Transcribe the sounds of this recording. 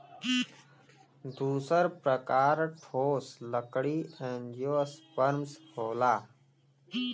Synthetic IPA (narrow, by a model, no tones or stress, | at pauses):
d̪uːsəɾpɾəkaːɾʈʰoːsləkɽiːɛ̃ːnjoːspəɾmshoːlaː